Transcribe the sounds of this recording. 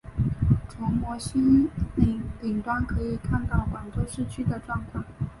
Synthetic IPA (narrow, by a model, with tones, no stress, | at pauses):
t͡sʰʊ˧˥ŋmwɔ˧˥ɕi˥nli˧˩li˨˩ŋt̪wa˥nkʰɤ˧˥i˨˩kʰa˥˧nt̪ɑ˥˩ʊkwa˨˩nt͡swɔ˥ʂɻ̩˥˩t͡ɕʰy˥d̪ə˨ʈ͡ʂwɑ˥˧ŋk̪ʰwa˥˩